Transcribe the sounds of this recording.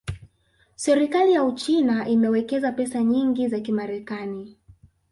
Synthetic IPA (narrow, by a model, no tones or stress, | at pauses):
sɛɾikalijaut͡ʃinaʔimɛwɛkɛzapɛsaɲiŋɡizakimaɾɛkani